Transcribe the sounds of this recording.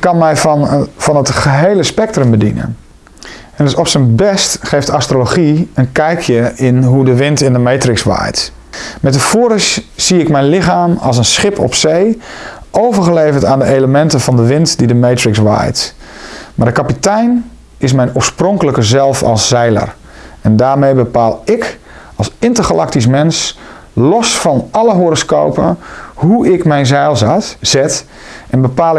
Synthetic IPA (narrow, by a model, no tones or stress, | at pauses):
kːɑnmɛjvɑnətχəɦejləspɛk̚trəmbədḭnə̰n | ɛɪsɔpsənbɛstχejftastroloχiənkɛjkʰjəɪnɦudəʋɪntɪndəmejtrɪksʋa̰ːjt | mɛt̬əfoːɾəz̥iɪkmɛjnlɪχaːmɑ̰lˠs̬ənsχɪpʰɔ̰psejʔowvərχəlejvəɹtaːndəʔejləmɛntənvɑndəʋɪntdidəmejtrɪksʋa̰jt | maːdəkɑpitɛjn | ɪs̬mɛjnoəɹsprɔŋkələkəzɛlˠfɑ̰lˠsːɛjlə̰r | ɛndaːɹmejbəpaːlˠɪk | ɑlˠsɪntəɹχalʔɑk̚tis̬mɛns | lɔsfɑnɑləɦoɾɔsko̰wpə̰huɪkmɛjnzɛjlˠzatz̥ɛt | ʔɛnbəpaːlˠ